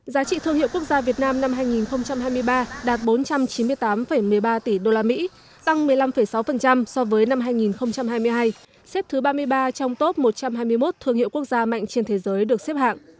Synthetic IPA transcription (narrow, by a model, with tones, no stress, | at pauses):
zaː˨˦t͡ɕḭ˧˨t̪ʰɨ˧əŋhḭ˧˨ku˦˥ək̚zaː˧vi˨˩ət̚naː˧mna˧mɦaː˧jŋi˨˩nxə˧wŋ͡mt͡ɕa˧mɦaː˧jmɨ˧əjɓaː˧ɗaː˨˩t̚ɓo˨˦nt͡ɕa˧mt͡ɕi˨˦mɨ˧əjt̪aː˨˦mfə˧˩jmɨ˨˩əjɓaː˧t̪i˧˩ɗo˧laː˧mḭ˧˥ | t̪a˧ŋmɨ˨˩əjla˧mfə˨˧˩jsa˨˦wfə˨˩nt͡ɕa˧msɔ˧vəː˨˦jna˧mɦaː˧jŋi˨˩nxə˧wŋ͡mt͡ɕa˧mɦaː˧jmɨ˧əjɦaː˧j | sɛ˦˥p̚t̪ʰɨ˨˦ɓaː˧mɨ˧əjɓaː˧t͡ɕɔ˧wŋ͡mt̪o˦˥p̚mo˨˩t̚t͡ɕa˧mɦaː˧jmɨ˧əjmo˦˥t̚t̪ʰɨ˧əŋhḭ˧˨wku˦˥ək̚zaː˧ma̰˧˨jŋ̟t͡ɕe˧nt̪ʰe˨˦zəː˨˦jɗɨ˨˩ək̚se˦˥p̚ha̰ː˧˨ŋ